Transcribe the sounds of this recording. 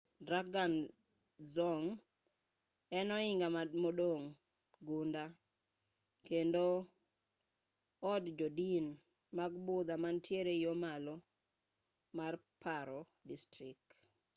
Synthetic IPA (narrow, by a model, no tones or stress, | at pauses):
dɾaɡan | zɔŋ | ɛnɔɪŋɡamamodoŋ | ɡunda | kendo | ɔdd͡ʒɔdin | maɡbʊd̪amantjeɾejomalo | mar | paɾɔ | distɾɪk